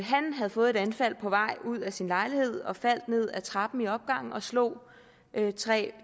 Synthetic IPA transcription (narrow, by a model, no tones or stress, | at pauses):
ɦænɦæðˠfɔ̽ːð̞̩ˠe̝d̥ænfæl̰pʰɒ̽ʋɑ̈ɪ̰uð̞̰ˠæsinlɑ̈ɪlihe̝ð̰ˠɒ̽fæl̰d̥ne̝ð̰ˠæt͡sʰʁɑ̈b̥m̩iɒ̽b̥̚ɡ̥ɑ̈ŋ̰n̩ɒ̽slɔ̰ː | øt͡sʰʁɛ̰ː